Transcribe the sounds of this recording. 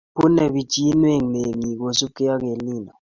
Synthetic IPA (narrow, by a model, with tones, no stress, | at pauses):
pu˦nɛ˨ɓi˨t͡ʃʼi˦nwe˦˨ŋ˨e˨ŋi˨k̬o˨su˦kɛ˦ja˦k̬e˨liː˦˨na˨